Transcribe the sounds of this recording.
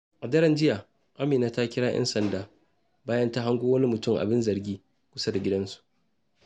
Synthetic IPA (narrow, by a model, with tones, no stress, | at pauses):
ʔa˨dɐ˦ɾɐ˦nd͡ʒɪ˦jaː˨ | ʔa˦mɪː˨naː˨ta˦kʲɪ˦ɽaː˦jʔɛ̰˦nsɐ˨ndaː˦ | baː˦jɐ˦nta˦ɦa˦ŋɡʷoː˦wɐ˦ni˦mʊ˨tʊ˦mʔa̰˨bɪ˦nzɐ˨rɡʲiː˦ | kʷʊ˦sa˦da˨ɡʲɪ˦dɐ˦nsu̥˨ʔ